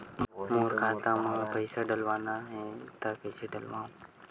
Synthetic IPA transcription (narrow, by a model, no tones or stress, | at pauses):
moːɾkʰaːt̪ãːmãːpəjsəɖəlʋãːnãːɦẽːt̪akəjsiɖəlʋãː